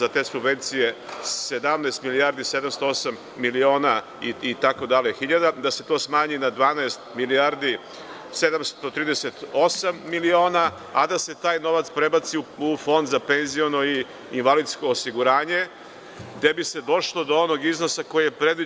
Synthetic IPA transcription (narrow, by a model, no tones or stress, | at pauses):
at̪e̞ːsubʋe̞nt̪sije̞se̞d̪amnaest̪milijaɾd̪ise̞d̪amst̪oosamːilio̞ːna | iit̪ako̞d̪alexiʎad̪ad̪ase̞t̪o̞ːsmaːɲinad̪ʋaːnaest̪miliaɾd̪i | se̞d̪amst̪ot̪ɾiːd̪eset̪o̞samːilio̞ːnaː | d̪ase̞t̪aːjno̞ʋat̪spɾe̞bat̪siuufo̞nd̪zape̞nzio̞no̞iː | nʋalid̪sko̞ːsiɡuɾaːɲe̞ | d̪ebise̞d̪o̞ʃlˠo̞d̪o̞o̞no̞ɡizno̞sako̞jijepɾe̞d̪ʋi